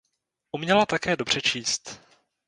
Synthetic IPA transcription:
ʔumɲɛlat̪akɛːdo̞br̝̥ɛt͡ʃiːst̪

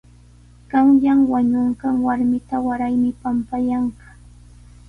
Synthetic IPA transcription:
ɢ̥ɑŋʎaŋwaɲoɴɢɑŋwaɾmɪt̪awaɾajmɪpampajaɴɢɑ̥

